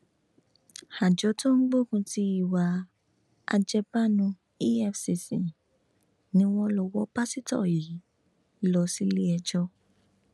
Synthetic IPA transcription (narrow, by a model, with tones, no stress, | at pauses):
ha˨d͡ʒɔ˨˧˦to˦ŋ̩˦ɡ͡bo˦˨kũ˧ti˧i˦˨wa˧ | a̰˧d͡ʒɛ˧pa˦˨nũ˧ | i˦ɛ˧fsi˨sĩ˨ | nĩ˦w̃ɔ̃˦lɔ˧wɔ˦pa˦si˦tɔ̰˦˨ji˨˦ | lɔ˧si˦le˦ɛ˧d͡ʒɔ˧